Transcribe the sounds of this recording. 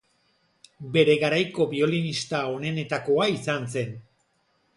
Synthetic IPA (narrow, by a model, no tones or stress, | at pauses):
be̞ɾe̞ɣaɾajko̞βio̞linist̪ao̞ne̞ne̞t̪ako̞aisanse̞n